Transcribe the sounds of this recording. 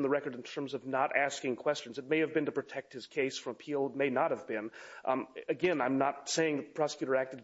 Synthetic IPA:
n̩ðəɹɛkə˞ɾn̩tʰɜ̃˞mzʌvnəɾæskɪ̃ŋkʰw̥ɛst͡ʃɨ̃n̩zɨt̚meɪɨvbɨ̃ntɨpɹ̥ɨtʰɛk̚t̚hɨz̥kʰeɪsfɹʌ̃məpʰilˠt̚meɪnət̚hɨvbɪ̃n | ɨɡɛ̃nãɪ̃mnət̚seɪɪ̃ŋðɨpʰɹ̥ɑsə̥kjʉɾə˞æk̚tɨ

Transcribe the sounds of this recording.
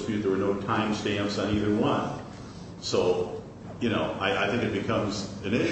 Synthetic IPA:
spjʉt̪̚ðə˞wə˞noʊtʰãɪ̃mstæ̃mpsn̩iðə˞wʌ̃n | soʊ | jɨñoʊʔaɪʔaɪθɪ̃ŋkɨt̚b̥ɨkʰʌ̃mzɨ̃nɪ̃ʃ

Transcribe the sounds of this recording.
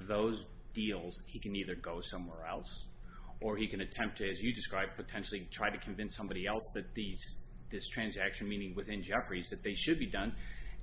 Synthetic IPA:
ðoʊz | d̥ilˠz̥hikɨ̃niðə˞ɡoʊsʌ̃mwɛɹɛlˠsʔə˞ikɨ̃nɨtʰɛ̃mp̚tʰɨɨzjɨdɨskɹaɪb̚pʰɨtʰɛ̃nʃl̩ˠitʰɹ̥aɪɾɨkʰɨ̃ɱvɪ̃nsʌ̃mbɑɾiɛlˠsðɨt̪̚ðiz̥ | ðɪstʰɹ̥æ̃nzækʃɨ̃nmĩnɪ̃ŋwɨθɪ̃nd͡ʒɛfɹizðɨt̪̚ðeɪʃɨd̚bidʌ̃n

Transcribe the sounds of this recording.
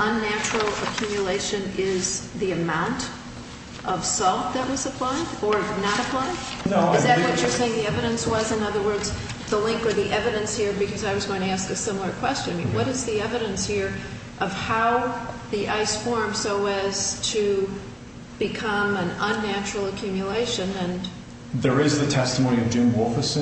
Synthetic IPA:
ə̃nːæt͡ʃɹ̥l̩ˠə̰kʰj̥ʉmjɨleɪʃɨ̃nɪzðiɨmãʊ̃nt | ʔʌv̥sɔlˠt̪̚ðɨʔ̚wʌzəpʰl̥aɪɾə˞nəɾəpʰl̥aɪdɨzðɨt̚wʌt͡ʃə˞seɪɪ̃ŋðiɛvɨɾɨ̃nswʌzɨ̃nʌðə˞wɜ˞dz | ðəlɪ̃ŋkwə˞ðiʔɛvɨɾɨ̃nshiɹbɨkʰʌzaɪwʌzɡoʊɪ̃ŋtɨæskɨsɪ̃ml̩ˠə˞kʰw̥ɛst͡ʃɨ̃nmḭ̃wʌɾɨzðiɛvɨɾɨ̃nshiɹ | ʔʌv̥haʊðiʔaɪsfɔɹmsoʊɨz̥tʰɨ | bɨkʰʌ̃mɨ̃nə̃nːæt͡ʃɹl̩ˠəkʰj̥ʉmjɨleɪʃɨ̃nɨ̃n | ðə˞ɪzðɨtʰɛstmõʊ̃niʌvd͡ʒʉ̃nwɔlˠfəs

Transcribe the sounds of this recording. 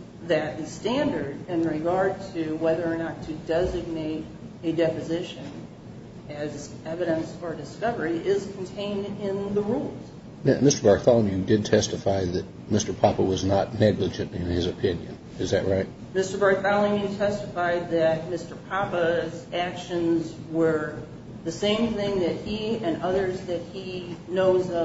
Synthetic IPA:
ðɨt̪̚ðɨstæ̃ndə˞ɾɪ̃nɹɪɡɑɹd̚tʰɨwɛðə˞ːnətʰɨdɛzɨɡ̚neɪɾ | ɨdɛpɨzɪʃɨ̃n | ɨz | ɛvɨɾɨ̃nsfə˞dɨskʌvə˞iɪz̥kʰn̩tʰẽɪ̃ndɪ̃nðəɹulˠz̥ | nɨ̰mɪstə˞bɑɹkθɑl̃ˠmjɨdɨd̚tʰɛstɨfaɪðɨt̚mɪstə˞pʰɑpəwʌznətⁿnɛɡlɨd͡ʒɨ̃ntɨ̃nɪzɨpʰɪ̃njɨ̰̃n | ɨzðɨ̰ʔ̚ɹaɪt̚ | mɪstə˞bɑɹk̚θɑlˠɨ̃mjɨtʰɛstəfaɪd̪̚ðɨt̚mɪstə˞pʰɑpəzækʃɨ̃nz | wə˞ | ðɨsẽɪ̃mθɪ̃ŋðɨt̚hiɨ̃nʌðə˞zðɨt̚hinoʊzʌ

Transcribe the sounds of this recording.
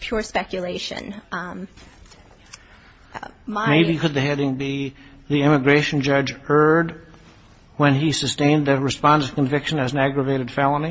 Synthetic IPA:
pʰj̥ʊɹspɛkjɨleɪʃɨ̰̃n | mameɪbikɨd̪̚ðɨhɛɾɪ̃ŋbiðiɪ̃mɨɡɹeɪʃn̩d͡ʒʌd͡ʒɜ˞d̚ | wə̃nisɨstẽɪ̃nðɨt̚ɹɨspɑ̃ndə̥̃kɨ̃ɱvɪkʃɨ̃nɨz̃n̩æɡɹəveɪɾɨd̥fælˠəni

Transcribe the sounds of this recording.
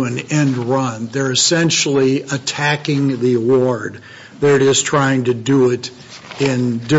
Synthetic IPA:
ɨ̃nɛ̃ndɹʌ̃nðə˞ɨsɛ̃nʃl̩ˠiətʰækɪ̃ŋðiəwɔɹd̪̚ | ðəɾɨɾɪz̥tʰɹ̥aɪɪ̃ŋtɨdəɪɾ | ɪ̃ndɪ

